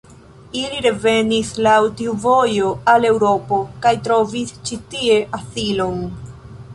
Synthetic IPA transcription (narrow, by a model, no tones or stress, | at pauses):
iliɾe̞ve̞nislawtiuvo̞jo̞ale̞wɾo̞po̞kajtɾo̞vist͡ʃitie̞ʔasilo̞n